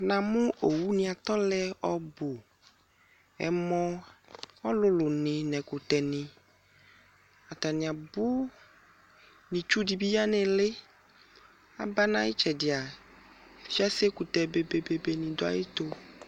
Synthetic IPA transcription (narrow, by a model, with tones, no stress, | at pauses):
nã˨mũ˦o˨wu˦nĩ˨a˨t̪ɔ˦lɛ˦ɔ˦bo˨ | ɛ̰˨mɔ̃˦ | ɔ˦lʊ˦lʊ˨nɪ̃˨nɛ̃˨ku˨t̪ɛ˨nɪ̃˨ | a˨t̪a˨nĩ˨a˨bʊ˦ | nĩ˨t͡ʃu˦di˨bi˦ja˦nɛ̃˨lɪ˦ | a̰˨ba˦nã˦ji˦t͡ʃɛ˨dɪ˨a˨ | fi˦a˦se˦ku˨t̪ɛ˨be˨be˨be˨be˨nĩ˨d̪o˦a̰˦je˦t̪o˦